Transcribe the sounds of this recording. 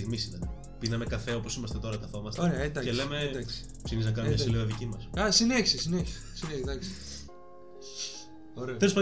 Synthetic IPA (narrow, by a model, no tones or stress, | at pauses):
iɣmisinɐn | pinɐme̞kɐfe̞o̞po̞simɐst̪e̞t̪o̞ɾɐt̪ɐfomɐst̪oɾeɐed̪ɐele̞me̞d̪ɐks | psiniznɐkɐnomɲɐsileðicimɐsɐsineçsisineçi̥s | sineçd̪ɐks | oɾeoelospɐ